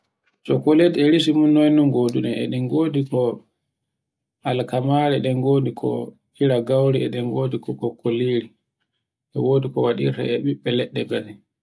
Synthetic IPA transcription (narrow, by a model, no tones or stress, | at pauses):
sɔkoledɛɾis̬imunːɔjnumɡoːdunɛɛɗɛnɡoːdikɔ | ʔalkamaːɾɛɗɛŋɡoːdikʰɔ̰ | iɾaɡawɾiɛɗɛŋɡoːdikɔkɔkːoliːɾi | ʔɛ̰woːdikɔwaɗḭɾta̰ɛɓiɓːɛlɛɗːɛɡadɛ